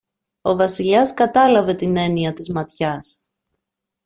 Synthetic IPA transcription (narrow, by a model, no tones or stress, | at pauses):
o̞vɐsiʎɐskɐt̪ɐlɐve̞t̪ine̞niɐt̪izmɐt̪çɐs